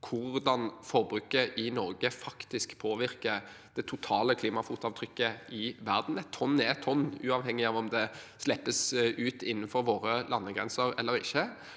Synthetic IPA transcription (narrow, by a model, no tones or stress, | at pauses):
kʰʊɾd̪ɑnfɔɾbɾʉːkəʔɪnɔɾɡəfɑkt̪ɪskpʰoːʋɪɾkə | d̪̥ɛt̪ʰʊt̪ʰɑːləkʰliːmɑfuːt̪ɑʋt̪ʰɾʏkːəʔɪʋæɾd̪n̩ɛt̪ʰːɔnːɛt̪ʰɔnːʉːɑʋhɛŋːɪɑːʋɔmd̪ɛslɛpːəsʉːt̪ɪnːnfɔɾʋoːɾəlɑnːəɡɾɛ̰nsəɾɛ̰lːəɾɪ̰çːə